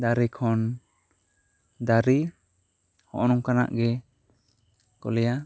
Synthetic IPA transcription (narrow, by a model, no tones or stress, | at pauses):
d̪aɾikʰɔn | d̪aɾi | hɔ̰ʔnɔŋkana̰ʔɡɛ | kɔ̰lɛja